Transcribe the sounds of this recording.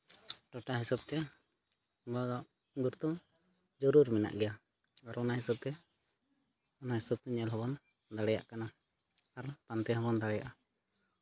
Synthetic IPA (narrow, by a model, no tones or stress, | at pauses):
ʈɔʈaɦisɔb̚t̪ɛ | bɔd̪ɔʔ | ɡuɾt̪u | d͡ʒɔɾuɾmɛna̰ʔɡɛja | aɾɔnaɦisɔb̚t̪ɛ | ɔnaɦisɔb̚t̪ɛɲɛlɦɔbɔn | d̪aɽɛja̰ʔkana | aɾpant̪ɛɦɔbɔnd̪aɽɛja̰ʔa